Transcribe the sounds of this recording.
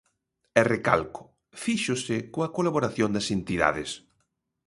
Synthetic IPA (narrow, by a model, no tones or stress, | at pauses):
ɛreka̰lkʊ̥ | fiʃʊsɪkoɐkolaβoɾaθjond̪ɐsent̪iða̰ðɪs